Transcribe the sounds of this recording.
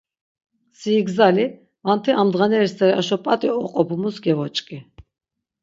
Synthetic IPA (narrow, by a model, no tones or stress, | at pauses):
siːɡzali | vant̪ʰɛʔamd̪ʁanɛɾist̪ɛɾiaʃɔpʼat̪ʼiɔqʼɔpʰumusɡɛvɔt͡ʃʼkʼi